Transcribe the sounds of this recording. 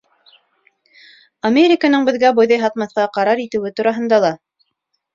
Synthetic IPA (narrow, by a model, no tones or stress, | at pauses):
ɐmʲeɾʲɪkənɤɴbɘ̆ðɡæbojðɑjɦɑt̪mɑθqɑqɑɾɑɾit̪ɘ̆wɘt̪uɾɑɦɤ̆nd̪ɑlˠɑ